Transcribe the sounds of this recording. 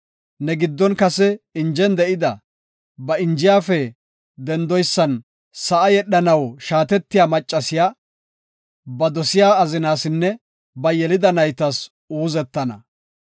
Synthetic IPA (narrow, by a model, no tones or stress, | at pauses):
nɛɡɪd̪ːɔnkɐsɛɪnd͡ʒɛnd̪ɛʔɪd̪ɐ | bɐɪnd͡ʒɪjaːfɛ | d̪ɛnd̪ɔjsːɐn | sɐʔɐjɛɗːɐnɐwʃaːt̪ɛt̪ːɪjaːmɐt͡ʃʼːɐsɪjaː | bɐd̪ɔsɪjaːɐzɪnaːsɪnːɛ | bɐjɛlɪd̪ɐnɐjt̪ɐs | uːzɛt̪ːɐnɐ̰